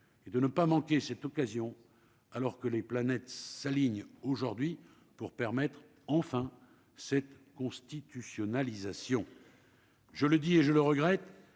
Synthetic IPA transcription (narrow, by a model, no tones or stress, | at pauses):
ed̪ənəpamɑ̃kʲesɛt̪ɔkazjɔ̃ | alɔʁkəleplanɛt̪saliɲoʒuʁd̪ɥi | puʁpɛʁmɛt̪χ | ɑ̃fɛ̃ | sɛt̪ | kɔ̃st̪it̪ysjɔnalizasjɔ̃ | ʒələd̪ieʒələʁəɡʁɛt̪